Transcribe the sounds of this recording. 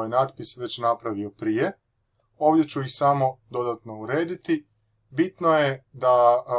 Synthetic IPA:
jnaːd̪pisʋe̞t͡ɕnapɾaʋio̞pɾije̞ | o̞ːʋd̪ʲje̞t͡ɕuixsamo̞d̪o̞d̪at̪no̞uɾe̞ːd̪it̪i | bit̪nojed̪a

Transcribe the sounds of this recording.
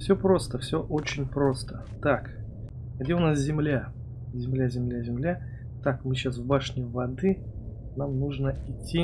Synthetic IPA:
fsʲɵpɾo̞st̪əfsʲɵʔo̞t͡ɕɪnʲpɾo̞st̪ə | t̪ak | ɡdʲeʊnaszʲɪmlʲa | zʲɪmlʲazʲɪmlʲazʲɪmlʲa | t̪akmɨɕasvbaʂnʲɪvɐd̪ɨ | namnuʐnəɪtʲːi

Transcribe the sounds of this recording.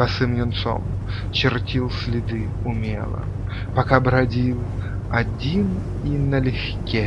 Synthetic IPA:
pɐsɨmnʲʊnt̪so̰m | t͡ɕɪrtʲilˠsʲlʲɪd̪ɨʊmʲḛlˠə̰ | pɐkabɾɐdʲilˠ | ɐdʲin | inɐlʲɪxkʲe

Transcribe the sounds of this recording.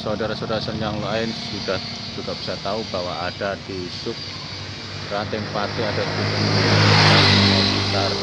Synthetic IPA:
saodaɾasodaɾasənjaŋloaɪnsud̥ah | d͡ʒuɡ̥ab̥i̥sart̪aubawaaɖ̥ad̪̥isʊk̚ | rant̪ɪŋpat̪iad̥ad̪ubuiaakamait̪ar

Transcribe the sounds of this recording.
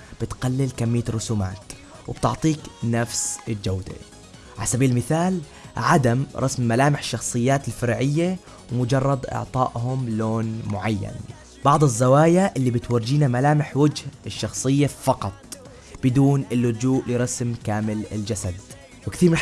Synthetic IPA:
b̥ɪt̪qalːɪlkamːɪjːaɾˤːʊsuːmaːt̪ | wɪ̰b̥t̪ɪʕt̪ˤiːknafsɪld͡ʒawd̪ḛ | ʕalasabiːlmɪθaːl | ʕad̪amɾˤɑ̰smːalaːmɪħɪ̥ʃːɑxsˤɨjːaːt̪ɪlfɪɾˤʕɪjːa | wmʊd͡ʒɑrˤːɑd̪ʔɑ̰ʕt̪ˤɑ̰ːʔɦʊmloːnmʊʕajːa̰n | b̥ɑʕd̪ˤɪzːawaːjaʔɪlːibɪt̪wɑɾd͡ʒiːnamalaːmɪħwad͡ʒhɪʃːɑxsˤɨjːafɑqɑt̪ˤ | b̥ɪd̪uːnɪlːʊd͡ʒuːʔlɪɾˤɑsmkaːmɪlɪld͡ʒasad̪ | wɪkθiːɾmɪ

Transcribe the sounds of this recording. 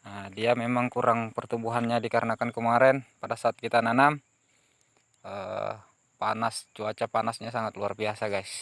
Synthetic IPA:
ədiamemaŋkuɾaŋpərt̪ubuɦanɲadikaɾənakankəmaɾɛnpadasaːt̪̚kit̪ananam | ə̰ | pa̰nast͡ʃuat͡ʃapanasɲasaŋat̪luarbiasaɡajs

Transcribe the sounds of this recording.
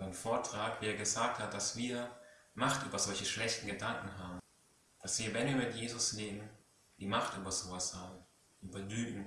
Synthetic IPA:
anfoːɐtʁ̥aːkv̥iːeɐɡəzaːk̚that̚d̥asv̥iːɐmaχtʔyːbɐzɔlçəʃlɛçtn̩ɡədaŋkŋ̩ɦaːbm̩ | d̥asv̥iːɐvɛnviːɐmɪtjeːzʊsneːmən | d̥iːmaχtʔyːbɐz̥oːvashaːbm̩ | ʔyːbɐlyːɡn̩

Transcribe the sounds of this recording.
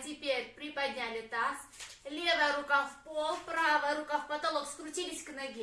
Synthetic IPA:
t̪ʲɪpʲeɾʲpɾʲɪpɐd̪ʲnʲalʲɪt̪as | lʲevaɾʊkafpolˠpɾavɐɾʊkafpɐt̪ɐlˠɔpskɾʊt͡ɕʲilʲisʲknɐɡʲi

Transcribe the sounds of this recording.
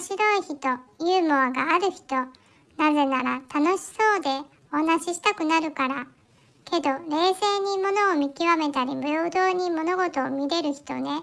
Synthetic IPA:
ɕiɾo̞içit̪o̞jɯːmoaɡaːɾɯ̟çi̥t̪o̞ | naze̞naɾa̰t̪ano̞ɕi̥so̞ːd̪e̞ | oanaɕiɕi̥t̪akɯ̟naɾɯ̟kaɾa | ke̞d̪o̞ɾe̞ːse̞ːɲ̟imo̞no̞ːmʲikʲiβame̞t̪aɾʲibɯ̟ɾoːd̪o̞ːɲ̟imo̞no̞ɡo̞t̪o̞ːmʲiɾe̞ɾɯ̟çi̥t̪o̞̰ne̞

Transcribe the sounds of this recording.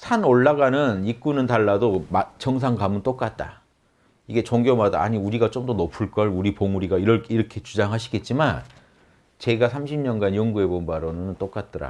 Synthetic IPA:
sʰanoɭːaɡanɯnik͈unɯntaɭːadomt͡ɕʌŋsʰaŋɡamɯnt͈ok͈at̚t͈a̰ | iɡe̞t͡ɕoŋɡjomada̰ːɲiuɾiɡat͡ɕomdʌnopʰɯɭk͈ʌɭuɾipoŋuɾiɡaiɾʌɭiɾʌkʰe̞t͡ɕud͡ʑaŋɦaɕʰi̥ɡe̞t̚t͡ɕ͈iman | t͡ɕe̞ɡasʰamɕʰimɲʌnɡanjʌŋɡue̞bonbaɾonɯnnt͈ok͈at̚t͈ʌɾa̰

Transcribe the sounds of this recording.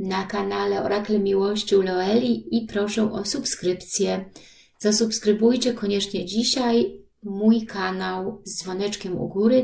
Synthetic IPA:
nakanalɛɔ̰ɾʔaklɛmʲiwɔɕt͡ɕulɔɛlʲiipɾɔʂɛ̃ʔɔsupskɾɘpt̪sʲjɛ | z̥asupskɾɘbujt͡ɕɛkɔɲɛt͡ʂɲɛd͡ʑiɕaj | mujkʰanawzd̪zvɔnɛt͡ʂkʲɛmṵɡuɾɘ

